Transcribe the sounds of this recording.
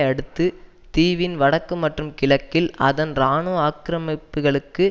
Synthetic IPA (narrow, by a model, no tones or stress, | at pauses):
ɐɽɯt̪ːɯ | t̪iːʋɪnʋɐɽɐkːɯmːɐʈrɯmkɪlɐkːɪlɐðɐnɾaːnoːaːkɾɐmɪpːɯɣɐɭɯkːɯ